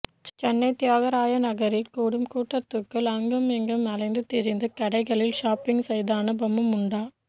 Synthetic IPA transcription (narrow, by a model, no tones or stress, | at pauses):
t͡ʃɛnːɐɪt̪ːɪjaːɣɐɾaːjɐnɐɣɐɾɪlkuːɽɯmkuːʈːɐt̪ːɯkːɯlɐŋɡɐmɛŋɡɯmɐlɐɪnd̪ɯt̪ɪɾɪnd̪ɯkɐɽɐɪɣɐɭɪlʃaːpɪŋsɛjðaːnɐbɐmɯmʊɳɖaː